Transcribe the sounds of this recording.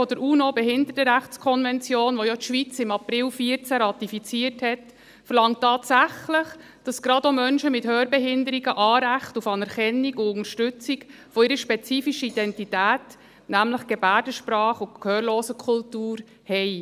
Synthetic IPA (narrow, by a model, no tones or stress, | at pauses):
fɔdəɾuːnobɛɦɪndətəɾæχt͡skʰɔnvɛnt͡sjoːnʋɔjɔt̪ʃʋit͡sɪmɑprɪlfiːəɾt͡sæɾɑtifit͡siːəɾthɛt | fəɾlɑŋtːɑːtsæχləχ | d̥ɑsɡɾɑdomœnʃəmɪthøːɾbɛɦɪndəɾiɡəʔɑːɾæχtufɑnɛɾχɛnːiɡʊʊnəɾʃtʉt͡sik | fɔɪɾəʃpɛt͡siːfiʃəid̥ɛntitæːt | næmləχɡ̥ɛbæːdəʃpɾɑːχʊkʰhøːɾloːsəkʰʊltuːɾ | hɛɪ